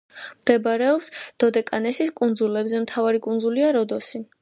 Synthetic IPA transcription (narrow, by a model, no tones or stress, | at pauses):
md̪̥ɛbaɾɛɔpsd̪̥ɔd̪ɛkʼanɛsiskʼund̪zulɛbzɛmt̪ʰavaɾikʼund̪zuliaɾɔd̪ɔsi